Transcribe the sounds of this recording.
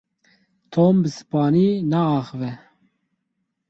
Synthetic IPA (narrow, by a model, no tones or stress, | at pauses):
t̪ʰoːmbɨsɨ̥pɑːniːnaːxɨvɛ